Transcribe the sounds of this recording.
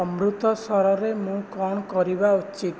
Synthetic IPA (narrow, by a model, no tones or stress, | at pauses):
ɔmɾut̪ɔsɔɾɔɾemũkɔñɔkɔɾibaut͡ʃit̪